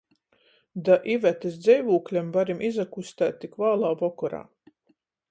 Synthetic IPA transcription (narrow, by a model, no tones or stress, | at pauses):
d̪aʔivæt̪esd̪zɛjvuːklʲɛmvaɾimʔizakust̪æːt̪ʲːikvaːlˠaːvɔkɔɾa̰ː